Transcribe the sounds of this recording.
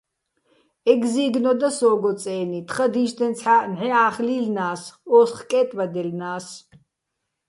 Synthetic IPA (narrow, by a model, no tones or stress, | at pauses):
ɛɡziːɡnɔd̪asɔːɡɔt͡sʼɛːnit̪ʰχəd̪iːʃd̪ɛnt͡sʰħanʕɛaːχliːlnaːsɔːsχkʼɛːt̪ʼvad̪ɛlnaːs